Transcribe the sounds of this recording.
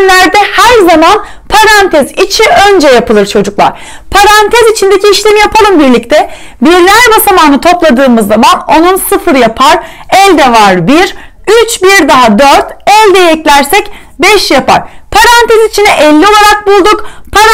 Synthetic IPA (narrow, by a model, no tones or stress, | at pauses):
lʲæɾd̪ɛhæɾzaman | pʰaɾant̪ʰɛzit͡ʃʰiø̞nd͡ʒɛjapɯlˠɯɾt͡ʃʰo̞d͡ʒuklˠa̰ɾ̥ | pʰaɾant̪ʰɛzit͡ʃʰind̪ecʲiːʃlʲemijapʰalˠɯmbiɾlʲic̚t̪ʰɛ | biɾlʲæɾbasamaːnɯt̪ʰo̞plˠad̪ɯːmɯzːamano̞nunsɯfɯɾjapʰaɾ | ɛlʲd̪ɛvaɾbiɾ | yt͡ʃbiɾd̪aɦad̪øɾt̪ɛlʲd̪ɛjɛclʲæɾsɛc | bɛʃjapa̰ɾ̥pʰaɾant̪ʰɛzit͡ʃʰinɛʔɛlʲːio̞lˠaɾak̚bulˠd̪ukpʰaɾ